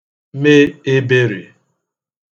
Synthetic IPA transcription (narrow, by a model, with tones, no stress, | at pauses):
me˦e˦be˦ɾe˨